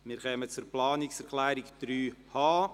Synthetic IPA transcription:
mɪɾχɛːmət͡suɾplɑːnɪksɛɾkʰlæːɾɪkd̪̥ɾyːhɑː

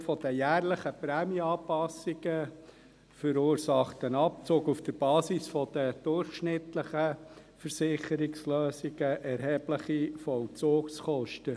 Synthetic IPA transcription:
fɔd̪əjæːrləχəpɾæːmiɑːpɑsːiɡə | fəɾʊːɾsɑχtənɑp̚t͡soːkufd̥əɾb̥ɑːsisfɔd̥̪əd̥̪ʊrχʃnɪt̪ləχə | fəɾsɪχəɾɪksløːsiɡəʔɛɾɦɛːb̥ləχifɔlt͡soːkskɔʃtə

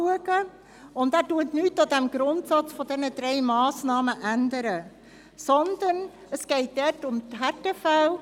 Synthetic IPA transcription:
uəɡ̥ə | ʊndæːɾtuətnyːtɑdɛmɡ̥ɾʊntsɑt͡sfɔdɛnəd̥ɾɛɪmɑːsnɑːməʔænd̪əɾə | sɔnd̪ən | əsɡ̥ɛɪt̚d̥ɛɾtʊmtɦɛtefɛl

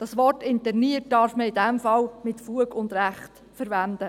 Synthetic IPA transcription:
d̥ɑsʋɔrtɪntɛɾniət̚dɑːɾfməɪdɛmfɑlmɪtfluəkʊnd̪ɾæχt | fəɾʋænd̥̪ə

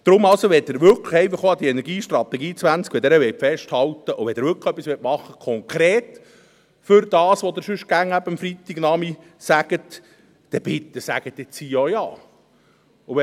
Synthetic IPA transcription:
d̥̪ɾʊmːɑlsoʋɛt̚ɪɾʋʏɾkʰləχɛɪfɑχoɑd̪iɛnɛɾɡiːʃt̪rɑt̪ɛɡiːt͡sʋænt͡skʋɛd̪ɛːɾəʋɛtfɛʃthɑlt̪əʔʊʋɛd̪ɪɾʋʏɾkə̥χœpːisʋɛt̚mɑχːəkʰɔŋkɾeːt̪ | fʏɾd̥̪ɑːsʋod̪ɪɾsʉʃ̚ɡ̥æŋæbəəmfɾit̪ːiɡnɑmi | sæɡ̥ət | d̥̪ɛb̥ɪt̪ːəsæ̰ɡ̥ət̪ːɪt͡sijojɑ̰ː | ʊʋɛ

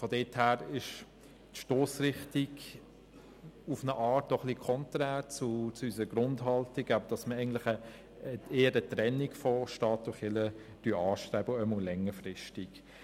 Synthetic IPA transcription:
fɔdɛːthæːɾɪʃ | tʃtoːsɾɪχtiɡ | ufnəʔɑːt̚dɔχlikʰɔntɾæːɾt͡sut͡suysəɡɾʊndhɑltiɡɑbəd̥ɑsməɛɪɡən̩tlɪχə | eːəɾətɾɛnːikfɔʃtɑːt̚dʊχɪlə | d̥yɑːʃtɾɛːbəœmɔlɛŋːəɾfɾɪʃtik

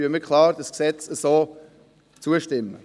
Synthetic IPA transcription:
yəmikʰχlɑːɾdəsksɛt͡səsoː | t͡suəʃtɪmːə

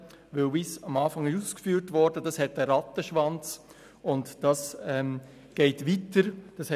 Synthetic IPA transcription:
ʋɪlbɪsɑmɑːfɑŋɪʃuːskfyːɾtvɔɾdədɑshɛtəɾɑtːəʃʋɑnt͡s | ʊntd̥ɑsɛm | ɡ̥ɛɪtvitəɾd̥ɑshɛ

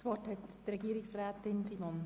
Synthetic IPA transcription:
svʋɔthɛt | rɛɡiːɾɪksraːtɪnsiːmɔn

